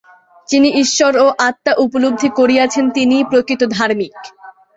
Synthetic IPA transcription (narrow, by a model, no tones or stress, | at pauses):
t͡ɕiniʔiʃːoɾoʔat̪ːaʔupolob̚d̪ʱikoɾiat͡ɕʰent̪inipɾokɾit̪od̪ʱaɾmik